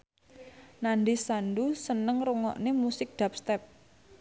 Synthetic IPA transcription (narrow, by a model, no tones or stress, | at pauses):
naɳdisanɖusənəŋruŋɔ̰ʔnemusɪk̚d̪̥a̤p̚st̪ɛp̚